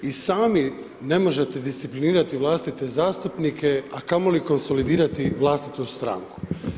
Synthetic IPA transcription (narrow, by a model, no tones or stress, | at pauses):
isaːmi | ne̞mo̞ʒet̪e̞d̪ist̪sipliniːɾat̪iʋlˠast̪it̪e̞zaːst̪upnikʰe̞akamo̞liko̞nsolid̪iːɾat̪iʋlˠaːst̪i̥t̪ust̪ɾa̰ŋku̥